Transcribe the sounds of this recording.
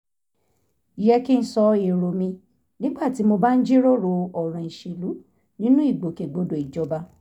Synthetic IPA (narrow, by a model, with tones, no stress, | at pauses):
i˨jɛ˧˦ki˦n̩˦sɔ˧e˨ɾo˨mĩ˧ | nĩ˦ɡ͡ba˦˨ti˨˦mo˧ba˦n̩˦d͡ʒi˦ɾo˦ɾo˧ɔ˨ɾ̃ã˨i˨ʃe˨lu˨˦ | nĩ˦nũ˦i˦˨ɡ͡bo˨ke˨ɡ͡bo˨do˨i˨d͡ʒɔ˨ba˧